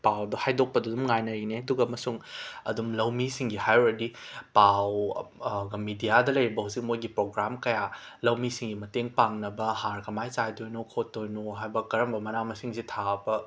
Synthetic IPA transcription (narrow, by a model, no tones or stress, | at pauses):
pawdɐhajdok̚pɐdudumŋajnɐɾineɐduɡɐmɐsuŋɐ̰dumlɐwmisiŋɡihajuɾɐdipaw | ɡɐmidijadɐlɐjɾibɐhuzik̚mojɡipɾoɡɾamkɐjalɐwmisiŋɡimɐteŋpaŋnɐbɐhaɾkɐmajt͡ʃajdojnokʰotːojnoɦajbɐkɐɾɐmbɐmɐnamɐsiŋsitʰaɐbɐ